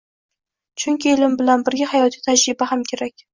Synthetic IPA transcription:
t͡ʃʰʊŋkʲielɪmbɪlanbɪɾɡʲahajɒt̪ʰijt̪ʰad͡ʒɾɪbaɦamkʲʰe̞ɾakʲ

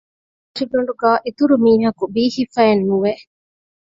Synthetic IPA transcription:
ɐʃiɖoɳ̆ɖuɡæːʔet̪uɾumiːɦɐkubiːhifæenːuʋe

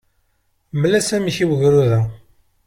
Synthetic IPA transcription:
məlːæsæmiçiwəʝɾuðæ

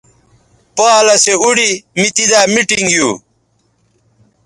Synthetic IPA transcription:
poːlɐseuɽimit̪id̪aːmiʈiŋɡjuː

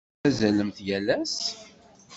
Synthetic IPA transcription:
æzæləmθjælæs

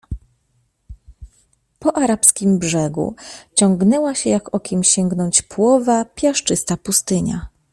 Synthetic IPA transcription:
pɔʔaɾapskʲimbʐɛɡṵt͡ɕɔŋɡnɛwaɕɛjakɔkʲɛmɕɛŋɡnɔɲt͡ɕpwɔvapʲjaʂt͡ʂɘst̪apust̪ɘɲa̰

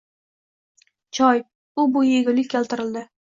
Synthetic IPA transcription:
t͡ʃʰɒj | ʊbʊjeɡʲʊlɪkʲʰːelˠt̪ɪɾɪld̪ɪ

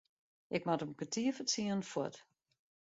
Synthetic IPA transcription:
ʔɪkmatəmkətiəfət͡siən̩fɔt

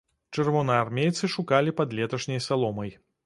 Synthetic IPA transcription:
t͡ʂɛrvɔnɐarmʲejt̪sɨʂukalʲipɐd̪lʲɛt̪ɐʂnʲɐjsalˠɔmɐj

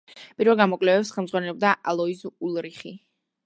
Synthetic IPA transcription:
pʼiɾvɛlˠɡamɔkʼlɛvɛpsχɛlˠmd̪zʁwanɛlɔb̚d̪aʔalˠɔizulˠɾiχi

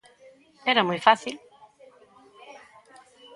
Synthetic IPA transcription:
ɛɾamojfaθil

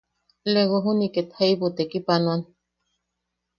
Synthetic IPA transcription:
leɣoɦuniket̪haibot̪ekipanuan

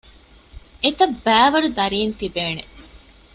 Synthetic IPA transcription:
et̪ɐbːæːʋɐɾud̪ɐɾiːnt̪ibeːnḛ

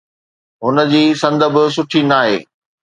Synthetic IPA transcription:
ɦʊnə̆d͡ʑiːsɐ̃nd̪ə̆bɪ̆s̬ʊʈʰinaːɦḛː

